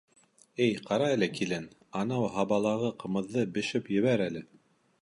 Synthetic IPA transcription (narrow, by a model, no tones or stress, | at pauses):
ɘjqɑɾɑælɘkilɘn | ɑnɑwɦɑβɑlˠɑʁɤqɤ̆mɤ̆ðːɤbɘ̆ʃɘpjɘ̆βæɾælɘ